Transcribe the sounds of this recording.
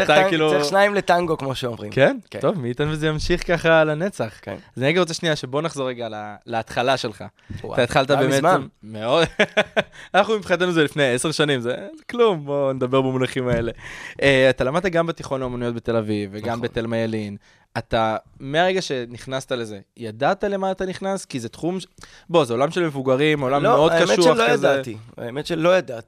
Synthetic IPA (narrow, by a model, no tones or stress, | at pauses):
t̪akiluʃnaimlet̪aŋɡokmoʃeomʁḭmken̰tovmiːt̪anvezejamʃiχkaχalanet͡saχkazniʁeɡaʁot͡seʃniaʃe̞bo̞naχzo̞ʁːeɡalalaːt̪χalaʃe̞lχa | a̰t̪aet̪χalt̪abeːmetanmeo̞d̪ | anaχnumipχat̪enuzelifnejeseʁʃanimzezeklumboned̪abe̞ʁbemulaχimae̞le̞eat̪alamad̪̚t̪aɡambet̪iχo̞naomonijot̚be̞t̪e̞lavivːeɡɡambet̪elmajalin | at̪ame̞aʁeɡaʃe̞niχnast̪ale̞ze̞jad̪at̪ale̞maːt̪aniχnaskizet̪χumʃ | bo̞zeo̞lamʃe̞lmevuɡaʁimolamːeod̪kaʃuajazetia̰emetʃelojad̪at̪i̥